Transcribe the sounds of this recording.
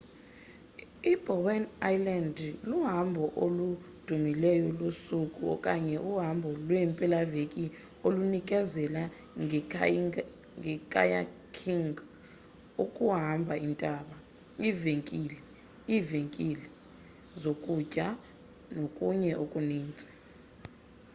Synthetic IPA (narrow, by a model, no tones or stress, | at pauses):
ib̥ʱɔwɛnajlandluɦambʱɔʔolud̥ʱumilɛjɔlusukʼuɔ̰kʼaɲɛʔuɦambʱɔlwɛmpʼɛlavekʼi | olunik̬ʼɛzɛla | ŋ | ŋɛkʼa̰ja̰kʰiŋɡ | ukʼuɦambʱaintʼaɓa | iveŋkʼilɛ | iveŋkʼilɛ | zokʼucʼa | nokʼuɲɛʔokʼuniːnt͡sʼḁ